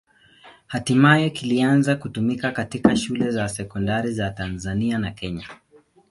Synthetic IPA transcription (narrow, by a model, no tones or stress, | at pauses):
hatimajɛkilianzakutumikakatikaʃulɛzasɛkɔndaɾizatanzanianakɛɲa